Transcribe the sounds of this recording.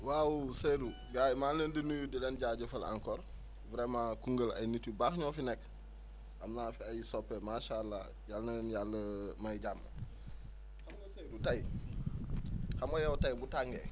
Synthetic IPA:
wawusedu | ɡajmaːnlendənudilɛnɟaɟɐfɐla̰ŋkɔːɾ | vɾemakuŋɡəla̰jnitubaxɲɔːfinɛk | amnaːfiajisɔpːɛmaʃaːlːa̰ | jalnənjalːəmaiɟamːə̰ | hamɡɐsedutaj | xamɡɐjawtajbutaŋɡḛ

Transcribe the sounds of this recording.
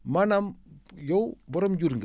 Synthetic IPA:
manamjowbɔɾɔmd͡ʒuɾŋɡ

